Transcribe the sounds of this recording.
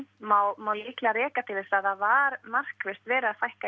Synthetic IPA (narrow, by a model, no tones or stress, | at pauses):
mawmawliːklaɾɛːkat̪ʰɪlɪsɾaðθavaɾmar̥kvɛst̪vɛːɾɪaðθajhka